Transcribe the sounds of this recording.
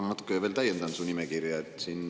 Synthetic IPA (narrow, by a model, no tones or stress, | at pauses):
mɑt̪u̥kːˑejɑveːlt̪æjend̪ɑnsunimɛkirjɑet̪ːsinː